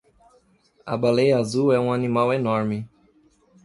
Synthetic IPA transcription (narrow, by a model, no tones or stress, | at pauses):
ɐ̰balejɐazuwɛũanĩmawenɔɾmɪ